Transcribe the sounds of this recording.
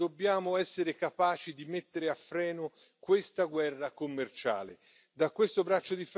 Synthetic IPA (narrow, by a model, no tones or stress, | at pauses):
obːjaːmoɛsːeɾekapaːt͡ʃid̪imet̪ːeɾeafːɾɛːno | kwest̪aɡwɛrːakomːert͡ʃa̰ːlḛ | d̪akwest̪obɾat͡ʃːod̪if